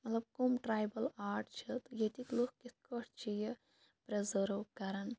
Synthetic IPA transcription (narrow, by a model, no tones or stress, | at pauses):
mɐt̪lɐb̚komʈɾaːjbɐlaːɾʈt͡ʃʰɨt̪ɨjet̪iklukkit̪̚ʰkəʈt͡ʃʰijɐ | pɾɐzəɾukɐɾɐn